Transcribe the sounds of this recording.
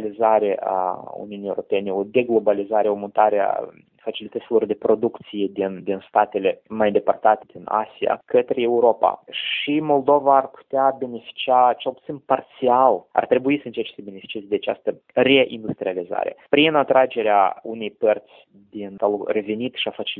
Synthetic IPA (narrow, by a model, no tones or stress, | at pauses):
lizaɾe̞ʔa̰ṵniunijew̰ɾopʲe̞neo̞d̪e̞ɡlo̞balizaɾeomunt̪aɾea̰ | fat͡ʃilit̪ət̪silo̞rd̪e̞pɾo̞d̪ukt̪sije̞d̪ind̪inst̪at̪e̞le̞majnd̪epərt̪at̪ed̪̥ina̰sia̰kət̪ɾejeuɾo̞pa̰ʃimo̞lˠd̪o̞vaːrpu̥t̪eabe̞ne̞fi̥t͡ʃiat͡ʃe̞lˠput̪sinpart̪siala̰rt̪ɾe̞buisəɨnt͡ʃe̞rt͡ʃesəbe̞ne̞fit͡ʃie̞zed̪eat͡ʃa̰st̪ə | re̞ʔind̪ust̪ɾializa̰ɾe̞̰pɾinat̪ɾad͡ʒe̞ɾeaune̞jpərt̪sʲ | d̪int̪alre̞ve̞nit̪ʃiafat͡ʃi